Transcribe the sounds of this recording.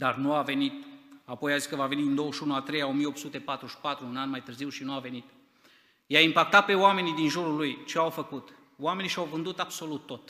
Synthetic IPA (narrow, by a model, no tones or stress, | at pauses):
d̪arnuave̞nit̪apo̞jaziskəvave̞niɨnd̪o̞wəʃunuat̪ɾe̞jao̞mijeopt̪sut̪e̞pat̪ɾuʃpat̪ɾuɨnanmajt̪ɨrziwʃinuave̞nit̪ | jaimpak̚t̪at̪̚pe̞owame̞nid̪inʒuɾulujt͡ʃe̞awfəkut̪ | oame̞niʃawvɨnd̪ut̪ab̥so̞lut̪ːo̞t̪